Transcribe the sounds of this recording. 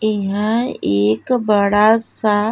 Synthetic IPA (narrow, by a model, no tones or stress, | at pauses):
ɪɦãeːkbəɽasa